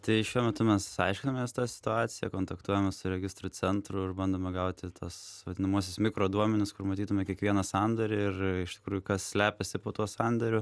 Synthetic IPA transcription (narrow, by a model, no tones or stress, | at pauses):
t̪ɐɪʃʲuɔmʲɛt̪ʊmʲɛssɐɪʃʲkʲɪnɐmʲɛst̪ɑːsʲɪ̥t̪ʊɑːt̪t͡ssʲɪjɛkoːnt̪ɐkt̪uɔjɛmʲɛsʊɾʲɛɡʲɪst̪ɾʊt͡s̪ʲɛnt̪ɾʊɪrbɐnd̪oːmʲɛɡɐʊt̪ʲɪt̪ʰɐsʋɐd̪ʲɪnɐmuɔsʲɪsmʲɪkɾoːd̪uɔmʲɛnʲɪskʊrmɐt̪ʲiːt̪ʊmʲɛkʲiɛkʋʲiɛnɐsɑnd̪ɐɾʲɪɪrɪʃt̪ʲɪ̥kɾuːjʊkɐssʲlʲæːpʲɛsʲɪpoːt̪uɔsɑnd̪ʲɐɾʲʊ